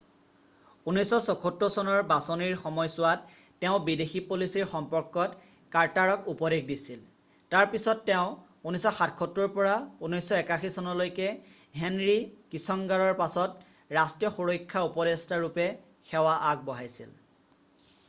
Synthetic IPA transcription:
unɔjsɔsɔkʰotɹɔsɔnɔɹbasɔniɹxɔmɔjsʊwatː | ɛʊ̃bidexipolisiɹxɔmpɔɹkːɔt | kaɹtaɹɔkupɔdek̚disil | taɹpisɔtːɛʊ̃ | unisɔxatkʰɔtːɹɔɹpɔɹaunɔjsːɔɛkaxisɔnɔlojkɛɦenɹikisɔŋɡaɹɔɹpasɔt | ɹastijɔxoɹokʰːaupɔɾestaɹupɛ | xɛwaʔak̚bɔɦajsḭl

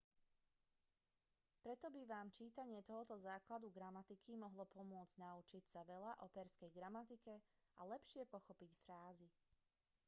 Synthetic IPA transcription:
pɾɛt̪ɔbiʋaːmt͡ʃiːt̪aɲɪɛt̪ɔɦɔt̪ɔzaːklad̪uɡɾamat̪ikimɔɦlɔpɔmʊɔd͡zɟnaut͡ʃicsaʋɛlaʔɔpɛɾskɛjɡɾamat̪ikɛalɛpʃɪɛpɔxɔpicfɾaːzi

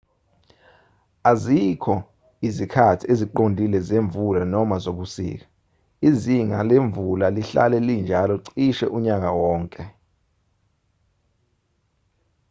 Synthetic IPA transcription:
azikʰɔ | izikʰatʰieziǃondʱilɛzeɱvulanɔmazok̬usḭːk̬ḁ | iziŋaleɱvulaliɬa̰lɛlind͡ʒʱalɔǀiʃɛʔuɲak̬awɔːŋkʼɛ

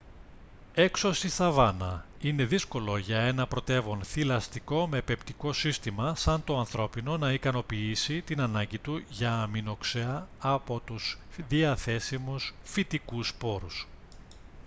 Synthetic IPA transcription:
e̞kso̞st̪iθɐvɐnɐine̞ðisko̞lo̞ʝɐe̞nɐpɾo̞t̪e̞vo̞nθilɐst̪iko̞me̞pept̪iko̞sist̪imɐsɐnt̪o̞ɐnθɾo̞pino̞nɐikɐno̞piisit̪inɐnɐɲɟit̪uʝɐːmino̞kseɐːpo̞t̪usðiɐθe̞simusfit̪ikuspo̞ɾus

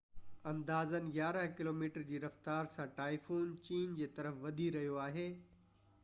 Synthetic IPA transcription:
ɐ̃nd̪aːzənɪ̆ɡjaːɾəɦkɪloːmiːʈəɾd͡ʑiːɾɐft̪aːɾsãʈaːifuːnt͡ɕiːnd͡ʑeːt̪ɐɾəfʋɐd̪ʱiɾɐɦijoaːɦeː

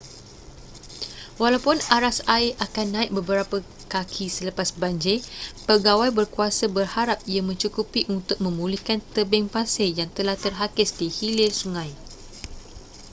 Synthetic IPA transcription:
walawpʊnaɾasaɪʔakanːãɪʔ̚bəbəɾapə | kakʰisələpasbaɲd͡ʒepəɡawajbərkuasabərhaɾap̚iamə̃ɲt͡ʃukupiʔunt̪ʊk̚mə̃mulikant̪əbɛŋpasejaŋt̪əlaht̪ərɦakɪsdihilɪrsuŋãj

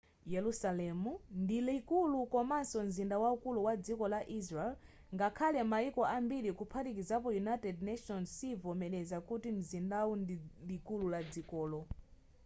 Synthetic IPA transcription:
jɛlusalɛmundilikulukɔmasɔmzindawaukuluwad͡zikɔlaʔizɾɛl | ŋɡakʰalɛmaikɔʔambiɾikupʰatik̬izapɔjunajtɛdnaʃɔnsivɔmɛlɛzakutim̩zindawundilikululad͡zikɔːlɔ

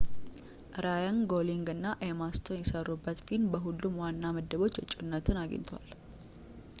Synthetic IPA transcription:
ʔɾajaŋɡoliŋɡɨnːaʔemast̪ʰonjɛsərːubːət̪finbəɦulːumwanːaməd̪ːəβo̞t͡ʃːət͡ʃʼunːət̪ʰɨnaɡə̰ɲt̪ʰəwa̰l

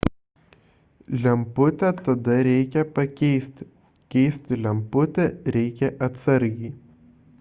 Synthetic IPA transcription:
lʲɛmpʊt̪ʲɛt̪ɐd̪ɐɾʲɛɪkʲɛpɐkʲɛɪsʲt̪ʲ | kʲɛɪsʲt̪ʲɪlʲɛmpʊt̪ʲɛɾʲɛɪkʲɛʔɐt̪sɐɾʲɡʲɛɪ

